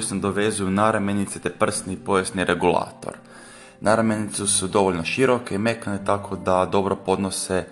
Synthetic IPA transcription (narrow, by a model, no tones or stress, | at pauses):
usnod̪oʋe̞zujunaɾamjenit̪set̪epr̩snipo̞jesniɾʔe̞ɡula̰ːt̪o̰ɾ | nʔaɾamjenit̪susud̪o̞ʋoʎʲnoʃiɾo̞keime̞kanet̪akʰo̞d̪ad̪o̞bɾo̞po̞d̪nose